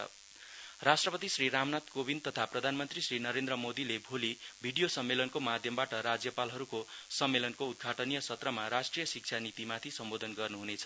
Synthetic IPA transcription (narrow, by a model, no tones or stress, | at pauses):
rasʈrʌpʌt̪isriɾamnat̪kobint̪ʌt̪ʰaprʌd̪ʱanmʌnt̪risrinʌɾend̪ɾʌmod̪ilebʱolibʱiɽijosʌmːelʌnkomad̪ʱjʌmbaʈʌɾad͡zjʌpalɦʌɾukosʌmːelʌnkoud̪̚ɡʱaʈʌnijʌsʌt̪rʌmaɾasʈrijʌsik̚t͡sʰanit̪imat̪ʰisʌmbod̪ʱʌnɡʌrnuɦunet͡sʰʌ̥